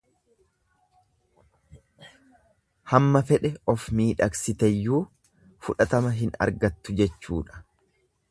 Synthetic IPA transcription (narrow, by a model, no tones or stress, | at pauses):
hɐmːɐfɛᶑɛʔɔfmiːᶑɐksɪt̪ɛjːuː | fʊᶑɐt̪ɐmɐɦɪnɐ̰ɾɡɐt̪ːʊd͡ʒɛt͡ʃːṵːᶑɐ̥